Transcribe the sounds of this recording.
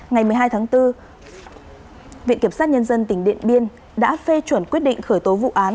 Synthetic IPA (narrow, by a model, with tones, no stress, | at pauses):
ŋa˨˩jm˨əjɦaː˧jt̪ʰaː˨˦ŋt̪ɨ˧ | vḭ˧ənki˧˩əmsaː˦˥t̚ɲə˧nzə˧nt̪ï˧˩ŋ̟ɗḭ˧˨ənɓi˧ən | ɗa̰ː˧˥fe˧t͡ɕwə˧˩nkwət̚ɗḭ˧˨ŋ̟xəː˧˩jt̪o˨˦vṵ˧˨ʔaː˨˦n